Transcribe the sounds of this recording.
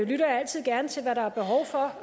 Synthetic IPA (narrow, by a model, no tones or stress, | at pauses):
lyɾɐjæl̰t͡sʰið̞̰ˠɡ̥æɐnət͡sʰe̝lʋæɾɑ̈æɐb̥e̝ɦɒʊfɒ̽